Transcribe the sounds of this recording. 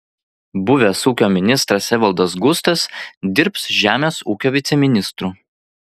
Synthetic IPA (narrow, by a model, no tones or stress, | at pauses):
bʊʋʲesuːkʲoːmʲɪnʲɪst̪ɾɐsʲɛʋʲɐlˠd̪ɐs̬ɡʊst̪ɐsd̪ʲɪɾpsʒʲæːmʲeːsuːkʲoːʋʲɪt̪sʲɛmʲɪnʲɪst̪ɾuː